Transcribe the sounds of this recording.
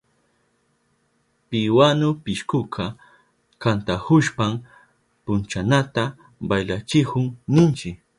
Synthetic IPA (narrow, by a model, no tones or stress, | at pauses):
pɪwanʊpɪʃkʊkʰa | kant̪ahʊʃpam | pʊnt͡ʃanat̪a | bajlat͡ʃɪhʊŋnɪnt͡ʃɪk